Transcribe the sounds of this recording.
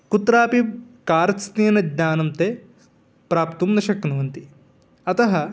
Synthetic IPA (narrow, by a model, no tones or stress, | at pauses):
kut̪ɾaːpikaːɾɐst̪iːnɐd̪naːnɐmt̪eː | pɾaːpt̪umnɐʃɐknuʋɐnt̪i | ɐt̪ɐɦɐ